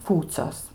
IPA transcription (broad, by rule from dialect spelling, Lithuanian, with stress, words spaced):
ˈkuːt͡sʲoːs